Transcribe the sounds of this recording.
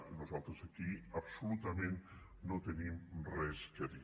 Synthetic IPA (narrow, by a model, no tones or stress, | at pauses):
nuzalˠt̪ɾəzəkiəbsulut̪əmẽnː | ot̪ənimrɛskəði